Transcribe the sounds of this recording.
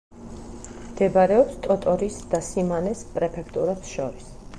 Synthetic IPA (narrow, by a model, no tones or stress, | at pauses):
md̪̥ɛbaɾɛɔpst̪ʼɔt̪ʼɔɾisd̪̥asimanɛspʼɾɛpʰɛkʰt̪ʼuɾɛpsʃɔɾis